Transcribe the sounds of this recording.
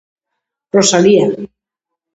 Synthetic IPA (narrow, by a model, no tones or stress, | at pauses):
rosalia